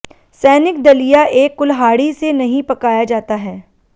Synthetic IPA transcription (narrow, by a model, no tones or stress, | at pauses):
sɛːnɪk̚d̪ɐlijaʔeːkːʊlɦaːɽisenɐɦĩpɐkaːjad͡ʒaːt̪aɦɛː